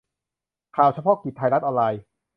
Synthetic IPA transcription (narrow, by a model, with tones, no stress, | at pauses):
kʰaː˨˩wt͡ɕʰa˧pʰɔ˦˥ki˨˩t̪ʰːa˧jɾa˦˥ʔɔː˧nlaː˧j